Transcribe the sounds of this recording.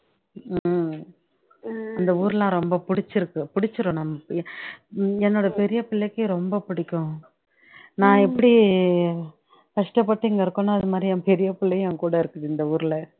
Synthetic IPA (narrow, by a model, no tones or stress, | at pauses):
ɪnd̪ɐuːɾlãːɾɔmbɐpʊɽɪt͡ʃːɪɾɯkːɯpʊɽɪt͡ʃːɯɾõːnɐmːɐ | ɛnːoːɽɐpɛɾɪjɐpɪɭːɐkːɯɾɔmbɐpʊɽɪkːʊ̃ | nãːɛpːɐɽi | kɐʂʈɐpːɐʈːiːŋɡɐɪɾɯkːʊ̃nːaːɐðɯmaːd̪ɾiɐpɛɾɪjɐpɪɭːɐjãːkuːɽɐɪɾɯkːɯɪnd̪ɐuːɾɪlɐ